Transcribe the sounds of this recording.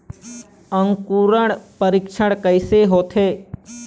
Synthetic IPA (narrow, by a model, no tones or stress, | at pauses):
əŋkuːɾəɽpəɾɪkʃʰəɽkəɪseːɦoːt̪ʰeː